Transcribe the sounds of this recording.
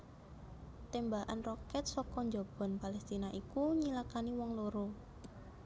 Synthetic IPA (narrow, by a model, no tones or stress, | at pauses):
t̪embaʔa̰nrɔkɛt̪̚sɔkɔɲd͡ʒɔb̥ɔ̤npalɛst̪inaʔikuɲilakaniwɔŋloɾo